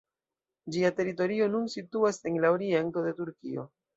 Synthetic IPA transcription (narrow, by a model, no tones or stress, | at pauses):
d͡ʒiate̞ɾito̞ɾio̞nunsituase̞ŋlaoɾie̞nto̞de̞tuɾkio̞̰